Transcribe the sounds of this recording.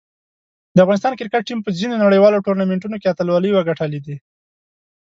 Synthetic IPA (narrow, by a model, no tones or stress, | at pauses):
d̪əafɣɑnɪs̬t̪ɑnkɪɾkaʈ̚ːimpəzinonaɽəjwɑloʈoɾnameɳʈ̬unokeat̪alwɑləjwaɡaʈalid̪e